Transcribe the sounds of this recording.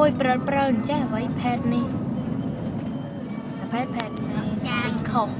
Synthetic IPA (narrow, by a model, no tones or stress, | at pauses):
uəjprət̪̚prəwɲt͡ɕɛhəʋəjpʰɛːt̪̚nih | apʰɛːt̪̚pʰɛːt̪̚ŋəəɲkʰoh